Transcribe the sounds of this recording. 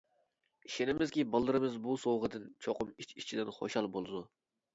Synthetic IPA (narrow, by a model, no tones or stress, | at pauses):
iʃenɪmɪzkʲibɑlˠːɨɾɨmɪzbusowʁəd̪ɨnt͡ʃʰoqʊmit͡ʃit͡ʃʰid̪ɪnχo̰ʃɑlˠbolˠɨd̪u